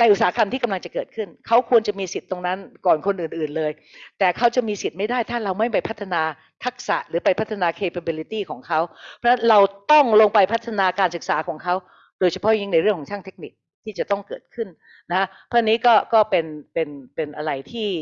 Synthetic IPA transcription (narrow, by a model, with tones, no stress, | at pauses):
na˧jʔu˨˩saː˩˦˥kʰa˧mt̪ʰiː˥˩ka˧mla˧ŋt͡ɕa˨˩kɤː˨˩t̪̚kʰɯ˥˩nkʰa˦˥wkʰu˧ənt͡ɕa˨˩miː˧si˨˩t̪ːo˧ŋna˦˥nkɔː˨˩nkʰo˧nʔɯː˨˩nʔɯː˨˩nlɤː˧j | t̪ɛː˨˩kʰa˦˥wt͡ɕa˨˩ʔmiː˧si˨˩t̪̚ma˥˩jdaː˥˩jt̪ʰaː˥˩ɾa˧wma˥˩jpa˧jpʰa˦˥t̪ʰːa˧naː˧ | t̪ʰa˦˥k̚sa̰˨˩ʔɾɯː˩˦pa˧jpʰa˦˥t̪ʰːa˧naː˧kʰeː˧pʰa˧bi˧li˦˥t̪iː˥˩kʰɔː˩˦ŋkʰa˦˥wpʰɔ˦˥na˦˥nɾa˧wt̪ɔ˥˩ŋloː˧ŋpa˧jpʰa˦˥t̪ʰːa˧naː˧kaː˧nsɯ˨˩k̚saː˩˦kʰɔː˩˦ŋkʰa˦˥w | doː˧jt͡ɕʰa˧pʰɔ˦˥jŋi˦˥na˧ɾɯ˥˩əŋʰkɔː˩˦ŋt͡ɕʰaː˥˩ŋt̪ʰe˦˥k̚ni˨˩k̚ | t̪ʰːiː˥˩t͡ɕa˨˩t̪ɔ˥˩ŋkɤː˨˩t̪̚kʰɯ˥˩n | na˦˥kʰa˦˥pʰːa˧niː˦˥kɔː˥˩kɔː˥˩pe˧npe˧npe˧nʔa˧ɾa˧jt̪ʰiː˥˩